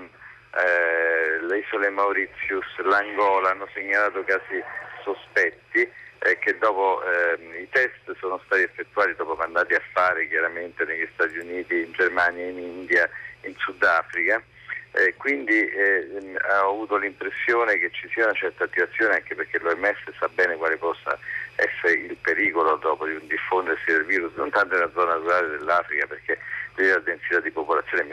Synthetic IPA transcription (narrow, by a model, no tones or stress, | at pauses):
lizolemauɾit̪sːjuslaŋɡɔːlaanːoseɲːalaːt̪okaːzisospɛt̪ːik̟ed̪ːɔːpo | it̪ɛst̪soːnost̪aːt̪iefːet̪ːuaːt̪id̪ɔːpomand̪aːt̪iafːaːɾek̟jaɾament̪eneʎist̪aːt̪iuniːt̪iːnd͡ʒermaːnjainind̪jainsud̪aːfɾika | ɛkwind̪i | avuːt̪olimpɾesːjoːnek̟et͡ʃːisiːaunat͡ʃɛrt̪aːt̪ːivat̪sːjoːneaŋkeperk̟eloɛmːɛsːesabɛːnekwaːlepɔsːa̰ɛ̰sːeɾeilpeɾiːkolod̪ɔːpod̪iund̪ifːond̪ersid̪elviːɾusno̰nt̪ant̪olad̪zːɔnaruɾaːled̪elːafɾikaperk̟et͡ʃisialad̪ensit̪ad̪ːipopolat̪sːjoːnem